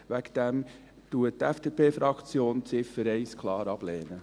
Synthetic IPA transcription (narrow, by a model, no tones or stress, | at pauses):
ʋækd̥̪ɛm | tuətɛfd̥epʰeːfɾɑkt͡sjoːnt͡sɪfəɾɛɪskʰlɑːɾɑb̥lɛːnə